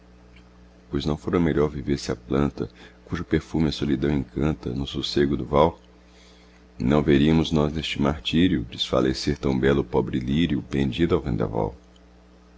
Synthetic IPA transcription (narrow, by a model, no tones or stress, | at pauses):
pojznɐ̃w̃foɾɐmeʎɔɾviveɾsɪɐplɐ̃nt̪ɐ̰kuʒʊpeɾfumɪɐsolid̪ɐ̃w̃ẽkʰɐ̃nt̪ɐ̰nʊsuseɡʊd̪ʊvaw | nɐ̃w̃veɾiɐmʊznɔznest͡ʃɪmaɾt͡ʃiɾiʊd͡ʒɪsfa̰lʔeseɾt̪ɐ̃w̃bɛlʊpɔbɾɪliɾjʊpẽnd͡ʒid̪ʊawvẽnd̪a̰va̰w